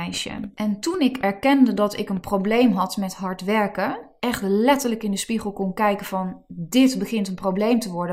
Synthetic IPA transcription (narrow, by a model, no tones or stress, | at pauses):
jʃə̰ʔɛntunɪkɛɹkɛndədɑtɪkənprowblejmɦɑtmɛtɦɑɹtʋɛɹkəʔɛχtlɛtəɹləkɪndəspiχəlˠkɔnkɛjkənv̥ɑndɪtbəχɪntənprowblejmtəʋɔɹdə